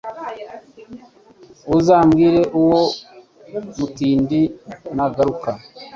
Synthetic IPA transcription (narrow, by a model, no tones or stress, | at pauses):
uzaːmɡiːɾe̞ʔuwo | mutiːndinaɡaɾuka